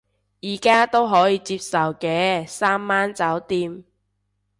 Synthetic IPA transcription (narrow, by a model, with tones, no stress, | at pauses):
jiː˨˩kaː˥t̪o˥wɦɔː˨˥jiː˨˧t͡siː˧p̚sɐ˨wkɛː˧saː˥mːaː˥nt͡sɐ˨˥wt̪iː˥m